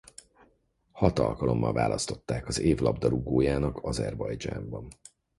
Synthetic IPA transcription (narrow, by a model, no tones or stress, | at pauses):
hɒt̪ɒ̰lkɒlo̞mːɒ̰lva̰ːlʔɒst̪o̞t̪ːaːkɒzeːvlɒbd̪ɒɾuɡoːjaːnɒkʰɒzɛrbɒjd͡ʒa̰ːmbɒn